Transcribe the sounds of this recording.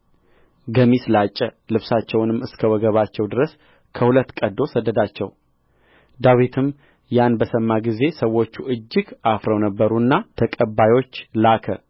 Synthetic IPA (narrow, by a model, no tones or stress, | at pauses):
ɡəmislat͡ʃʼːɛlɨβsat͡ʃːɛwnɨmːɨskʰəwɔɡəβat͡ʃːɛwd̪ɨɾəs | kʰəhulət̪ːkʼəd̪o̞səd̪ːəd̪at͡ʃːɛw | d̪awit̪ʰɨm | janbəsəmːaɡize̞səwːo̞t͡ʃːuʔɨd͡ʒːɪɡafɾəwnəbːəɾunːat̪ʰəkʼəbːajo̞t͡ʃːlakʰə